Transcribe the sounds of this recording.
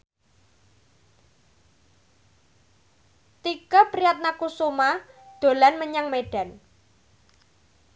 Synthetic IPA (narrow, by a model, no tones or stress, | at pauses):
t̪ikapɾijat̪̚nakusumad̪̥o̤lanməɲaŋmeɖ̥a̤n